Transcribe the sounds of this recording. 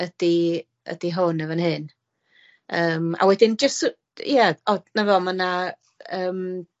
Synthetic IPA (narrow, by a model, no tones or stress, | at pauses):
əd̥i | ə̰d̥iɦʊnəvənɦɨn | əːma̰wɛdɪnd͡ʒəst | jɛɔdnavɛməna | əːm